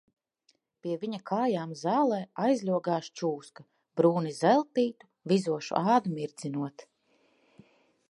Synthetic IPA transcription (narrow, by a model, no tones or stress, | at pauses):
pʲiɛvʲiɲakʰaːjaːmzaːlˠɛːajzlʲuɔɡaːʃt͡ʃuːska | bɾuːnizɛlˠt̪iːt̪u̥ | vizuɔʃṵʔaːd̪umiɾd̪z̥inuɔt̪